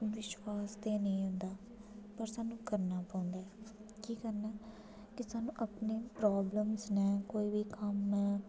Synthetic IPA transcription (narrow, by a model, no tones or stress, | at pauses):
ʋɪʃwaːst̪eːnəĩːɦʊ̃nd̪aː | pəɾsaːnũːkəɾnaːpãːʊ̃nd̪aːɛkiːkəɾnaː | kɪsaːnũːʔapneːpɾaːbləmsnɛ̃ːkoːiːʋiːkəmnɛː